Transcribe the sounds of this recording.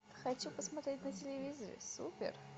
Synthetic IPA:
xɐt͡ɕupəsmɐt̪ɾʲetʲnətʲɪlʲɪvʲizəɾʲɪ̰supʲɪ̰r

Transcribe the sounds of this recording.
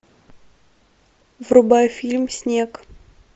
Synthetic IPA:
vrubɑjfʲilʲmsʲnʲek

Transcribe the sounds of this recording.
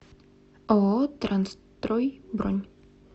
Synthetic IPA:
ʔɔːt̪ɾanst̪ɾɔjbɾɔɲ

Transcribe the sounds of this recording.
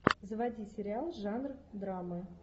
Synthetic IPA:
zəvadʲisʲɪɾʲɪalˠʐanrd̪ɾamə

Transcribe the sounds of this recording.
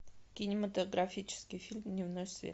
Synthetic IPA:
kʲɪnʲɪmət̪əɡɾafʲit͡ɕɪ̥skʲɪjfʲilʲmnʲɪvnosʲvʲḛ

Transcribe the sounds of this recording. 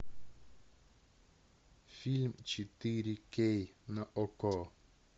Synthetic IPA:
filmt͡ʃʰitiɾikejnaʔɔkɔ

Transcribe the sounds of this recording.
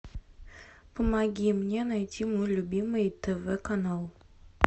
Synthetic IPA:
pə̆mɑɡʲimnʲenɑjtʲʰimulʲubʲimɨjt̪evekanɑlˠ

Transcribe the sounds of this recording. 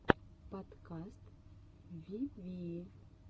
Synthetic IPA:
pɔt̪kast̪ | vʲivʲi

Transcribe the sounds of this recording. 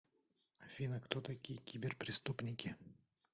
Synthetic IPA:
ɐvʲinəkt̪ot̪ɐkʲijəkʲibʲɪrpɾʲɪst̪upnʲɪkʲɪ

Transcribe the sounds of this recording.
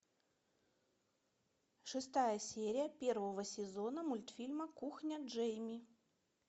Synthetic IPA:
ʂɨst̪ajəsʲeɾʲɪjəpʲe̞rvəvəsʲɪzo̞nəmʊlʲt̪fʲilʲməkuxnʲəʐɛjmʲi

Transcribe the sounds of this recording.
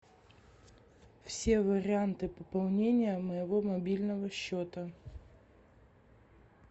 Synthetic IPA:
fsʲe̞vəɾʲɪant̪ɨpəpɐlˠnʲenʲɪjəməjɪvomɐbʲilʲnəvəɕːot̪ə

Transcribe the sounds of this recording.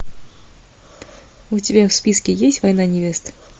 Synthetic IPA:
ʊtʲɪbʲafspʲiskʲɪjesʲtʲvɐjnanʲɪvʲe̞st̪

